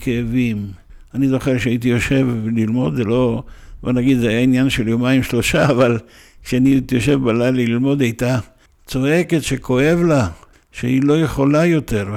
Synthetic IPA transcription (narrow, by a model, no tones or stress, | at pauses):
kʰeevim | anizo̞χeʁʃeait̪̬ijo̞ʃe̞vlilmo̞d̪zelo̞bonaɡid̪zeajainjanʃeljo̞maimʃlo̞ʃaːval | kʃeanitjo̞ʃe̞vbalajliilmo̞d̪ajt̪a | t͡so̞e̞ke̞t̪ʃeko̞e̞vla | ʃeilo̞je̞χo̞lajo̞t̪e̞ʁ